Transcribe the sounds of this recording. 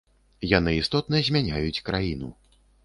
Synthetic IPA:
janɨist̪ɔt̪̚nɐzʲmʲanʲajut͡sʲkɾajinu

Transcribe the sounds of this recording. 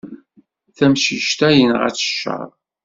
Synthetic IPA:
θæmʃiʃt̪æjənʁæ̰t͡sːə̥ʃːə̰ɾˤ

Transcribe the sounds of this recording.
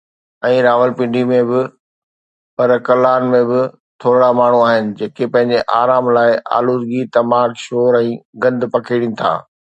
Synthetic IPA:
ɛ̃ːɾaːʋəlpɪ̃ɳɖʱimẽbɪ | pɐɾkɐlaːnmẽbɪ | t̪ʰoːɾɽamaːɳ̤uaːɦɪnɪ̆d͡ʑeːkepɐ̃ɦɪ̃ɲd͡ʑeʔaːɾaːmlaːɪʔa̰ːluːɾɡit̪ɐmaːkʃoːɾɛ̃ːɡɐ̃nd̪ʊpɐkʰeːɽĩnɪ̆t̪ʰa̰ː

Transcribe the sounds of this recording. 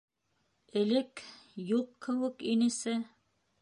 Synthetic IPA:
ɘ̆lɘkjuqkɘ̆wɘkinɘ̆sɘ

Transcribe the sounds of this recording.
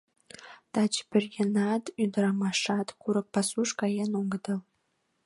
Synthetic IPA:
t̪ɑt͡ɕpɘ̆rjĕnɑt̪yd̪əɾɑmɑʂɑt̪kuɾɤ̆k̚pɑsuʂkɑjenoŋɡɤd̪ɤl

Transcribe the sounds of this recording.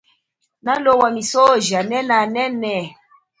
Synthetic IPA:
nalowamisoʒanɛnanɛnɛ

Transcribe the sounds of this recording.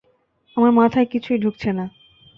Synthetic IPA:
amaɾmat̪ʰaekit͡ɕʰujɖʱuk̚t͡ɕʰena

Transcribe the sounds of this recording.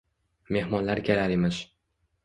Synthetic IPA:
me̞hmɒnlaɾkʲʰelaɾemɪʃ

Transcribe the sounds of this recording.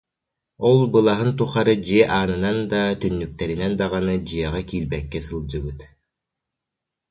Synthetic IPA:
ɔlˠbɯlˠaɦɯnt̪uχaɾɯd͡ʑiɛʔaːnɯnand̪at̪ynːyk̚t̪ɛɾinɛnd̪aʁanɯd͡ʑɯjɛʁakiːɾbɛkːɛsɯlˠd͡ʑɯbɯt̪

